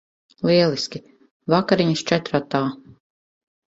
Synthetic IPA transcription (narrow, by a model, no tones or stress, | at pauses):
lˠiɛlˠiskʲi | vakaɾiɲist͡ʃɛt̪ɾat̪ːaː